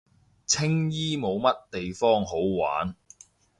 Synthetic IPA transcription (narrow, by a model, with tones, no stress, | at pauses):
t͡sʰɪ˥ŋjiː˥mo˨˧wmɐ˥tt̪e˨jfɔː˥ŋɦo˨˥wwa̰ː˨˥n